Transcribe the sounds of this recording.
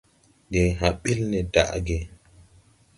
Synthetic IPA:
de˨ɦa˨ɓi˦lnɛ˨da̰˨ʔɡɛ˨

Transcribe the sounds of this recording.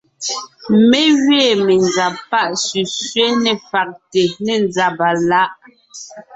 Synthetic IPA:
mɛ˦ɣɥɛː˦˨mɛ˨nza˨pa˦ʔsʉ˨sɥɛ˦nɛ˨fa˨k̚te˨nɛ˨nd͡za˨ba˨la˦ʔ

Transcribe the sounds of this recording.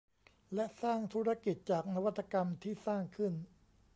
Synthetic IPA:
lɛ˦˥ʔsaː˥˩ŋt̪ʰuː˦˥ɾa˦˥ki˨˩t̪̚t͡ɕaː˨˩k̚na˦˥wa˥t̪ʰːa˧ka˧mt̪ʰiː˥˩saː˥˩ŋkʰɯ˥˩n

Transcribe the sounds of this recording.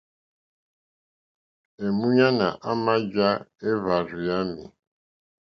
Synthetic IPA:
e˨mu˦ɲa˦na̰˨ʔa˦ma˦d͡ʒa˦e˦va˨ɾʊ˨ja˦mḭ˨

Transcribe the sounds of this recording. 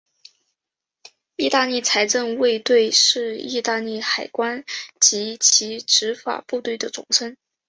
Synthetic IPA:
i˥˧t̪a˥˧li˥˩t͡sʰa˧˥ɪʈ͡ʂə˥˧ŋwe˥˧ɪt̪we˥˧ɪʂɻ̩˥˧i˥˧t̪a˥˧li˥˩xa˨˩ɪkwa˥nt͡ɕi˧˥t͡ɕʰi˧˥ʈ͡ʂɻ̩˧˥fa̰˨˩pu˥˧t̪we˥˩ɪd̪ə˩t͡sʊ̰˨˩ŋʂə˥n

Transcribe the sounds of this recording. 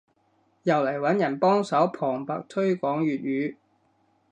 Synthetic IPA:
jɐ˨˩wlɐ˨˩jwɐ˨˥njɐ˨˩npɔː˥ŋsɐ˨˥wpʰɔː˨˩ŋpaː˨k̚t̪ʰɵ˥ɥkɔː˨˥ŋɥyː˨t̚ɥyː˨˧˥

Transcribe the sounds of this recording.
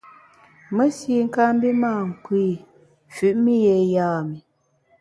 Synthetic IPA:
mə˦si˦ŋ̩˦ka˦m˦bi˦maː˦˨ŋ̩˨kwi˦˨ | fʉ˨ʔmi˦je˨jaː˦˨mi˨

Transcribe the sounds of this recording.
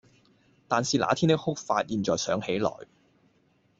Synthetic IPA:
t̪aː˨nsiː˨la̰ː˨˥t̪ʰiː˥nt̪ɪ˥k̚hʊ˥k̚faː˧t̚jiː˨˩nt͡sɔː˨˩jsœː˨˥ŋhe˨˥jlɔ̰ː˨˩j

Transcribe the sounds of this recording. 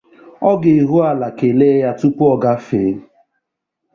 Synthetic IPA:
ɔ˦ɡɪ˨i˨ɦu˦a˨la˨ke˨le˦ja˦tu˦pu˦ɔ˦ɡa˦fe˨˦

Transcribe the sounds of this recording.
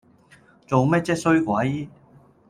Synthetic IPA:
t͡so˨wmɛː˥t̚t͡sɛː˥t̚sɵ˥ɥkʷɐ˨˥j

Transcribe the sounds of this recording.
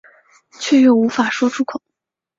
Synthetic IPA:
t͡ɕʰɥɛ˥˧jɥo˨˩ʊu˧˥fa˨˩ʂwɔ˥ʈ͡ʂʰu˥kʰʊ˨˩˦

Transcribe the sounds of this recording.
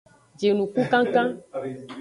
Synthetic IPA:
d͡ʒe˨nũ˨ku˦kã˦kã˦

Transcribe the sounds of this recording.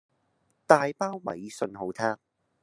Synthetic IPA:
t̪aː˨jpaː˥wwɐ̰˨˩jsɵ˧nɦo˨˧wt̪ʰaː˥k̚

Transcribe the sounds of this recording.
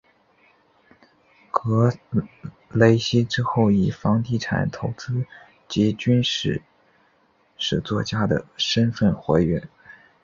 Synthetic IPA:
kɤ˧˥ | le˧˥ɪɕi˥ʈ͡ʂɻ̩˥xo˥˩ʊi˨˩fɑ˧˥ŋt̪i˥˩ʈ͡ʂʰa̰˨˩nt̪ʰo˧˥ʊt͡sɹ̩˥ | t͡ɕi˧˥t͡ɕy˥nʂɻ̩˥˩ | ʂɻ̩˥˩t͡swɔ˥˧t͡ɕja˥d̪ə̰˨˩ʂə˥nfə˥˩nxwe˧˥ɪɥɛ˧˥n

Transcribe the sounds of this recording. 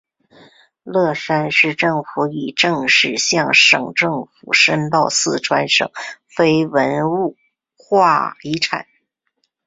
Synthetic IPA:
lɤ˥˩ʂa˥nʂɻ̩˥˧ʈ͡ʂɤ˥˩ŋfu˧˥i˨˩ʈ͡ʂɤ˥˧ŋʂɻ̩˥˧ɕjɑ˥˩ŋʂɤ̰˨˩ŋʈ͡ʂɤ˥˩ŋfu˨˩ʂə˥nt̪ɑ˥˧ʊsɹ̩˥˩ʈ͡ʂʰwa˥nʂɤ̰˨˩˦ŋ | fe˥ɪwə˧˥nu˥˩ | xwa˥˩i˧˥ʈ͡ʂʰa̰˨˩˦n

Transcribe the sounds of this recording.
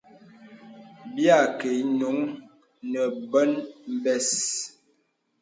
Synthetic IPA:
bja˦˨ke˨˦no˨˦ŋ | nə˨bə˦nm̩˦bɛ˦s

